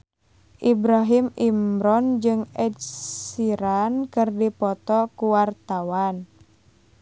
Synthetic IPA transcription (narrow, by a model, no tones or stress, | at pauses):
ʔibɾaɦimimɾɔnd͡ʒɨŋɛdsiɾankɨrdipɔt̪ɔkuwart̪awan